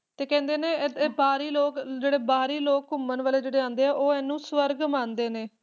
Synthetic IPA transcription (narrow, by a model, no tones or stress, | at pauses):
t̪eːkɛ̃ːnd̪eːneːbaːɾiːloːkd͡ʒeːɽeːbaːɾiːloːkɦʊmənʋaːleːd͡ʒeːɽeːãːnd̪eːɛːʔoːɛːnːũːsʋəɾɡmãːnd̪eːneː